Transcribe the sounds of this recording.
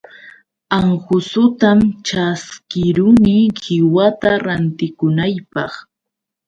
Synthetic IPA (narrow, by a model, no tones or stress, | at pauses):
aŋhʊsʊt̪amt͡ʃaskɪɾʊnɪhɪwat̪aɾant̪ɪkʊnajpɑχ